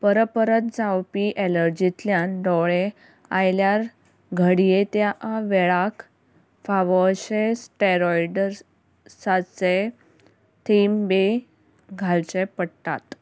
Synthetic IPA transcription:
pəɾəpəɾət̪̚d͡zawpiʔeləɾd͡ʑit̪ljãnd̪ɔwɭe | ajljaɾ | ɡʱəɽijet̪jaʔaʋeɭak | faʋɔɕesʈeɾɔjɖəɾ | sat͡se | t̪ʰimbe | ɡʱalt͡ɕepəɽt̪a̰t̪

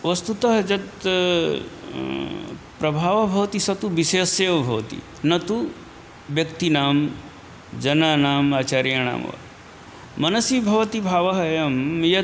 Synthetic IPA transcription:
ʋɐst̪ut̪ɐɦɐd͡ʒɐt̪ | pɾɐbʱaːʋɐbʱɐʋɐt̪isɐt̪uʋiʃeːseːʋɐbʱɐʋɐ̰t̪ḭ | nɐt̪u | ʋjɐkt̪inaːm | d͡ʒɐnanaːmaːt͡ʃaːɾjaɳ̃a̰ːmɐ̰ʋa̰ | mɐnɐsibʱɐʋɐt̪ibʱaːʋɐɦɐjɐmjɐ

